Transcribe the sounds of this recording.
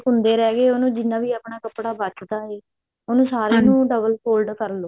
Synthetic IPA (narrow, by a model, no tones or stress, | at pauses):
ɦʊ̃nd̪eːɾɛːɡeːonũːd͡ʒɪnːãːʋiːaːpɳaːkəpɽaːbət͡ʃd̪aːɦeː | onũːsaːɾeːnũːɖəbəlpoːlɖkəɾloː